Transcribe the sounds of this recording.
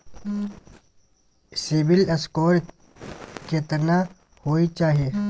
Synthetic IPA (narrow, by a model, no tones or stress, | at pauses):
sibɪlɐskoːɾ | ket̪əna | hoːit͡ʃaːɦije